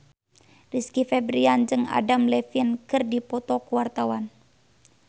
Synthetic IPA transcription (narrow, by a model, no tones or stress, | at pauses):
riskifɛbɾiand͡ʒɨŋa̰damlɛfinkɨrdipɔt̪ɔkuwart̪awan